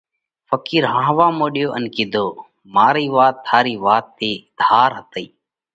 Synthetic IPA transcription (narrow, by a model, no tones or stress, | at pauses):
fəkiːɾɦãːʋaːmoːɗjoːʔənkɪd̪ʱoː | maːɾiːʋaːt̪ʰːaːɾiːʋaːt̪ːeːd̪ʱhaːɾɦət̪əiː